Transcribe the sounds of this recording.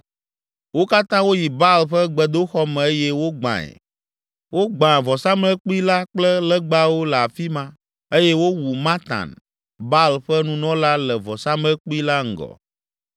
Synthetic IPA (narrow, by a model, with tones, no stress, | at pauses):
wo˦ka˦t̪ã˦wo˦ji˨ba˦lɸɛ˦ɡ͡bɛ˨d̪o˦xɔ˦mɛ̃˨e˦jɛ˦wo˦ɡ͡bã̰˨ɛ̰˨ | wo˦ɡ͡bã˨vɔ˨sa˦mlɛ˦k͡pu˦i˦la˦k͡plɛ˦lɛ˦ɡ͡ba˦wo˦lɛ˨a˨fi˦mã˦ | e˦jɛ˦wo˦wu˨mã˦t̪ã̰˨n | ba˦lɸɛ˦nũ˨nɔ̃˦la˦lɛ˨vɔ˨sa˦mlɛ˦k͡pu˦i˦la˦ŋ̩˨ɡɔ̰˨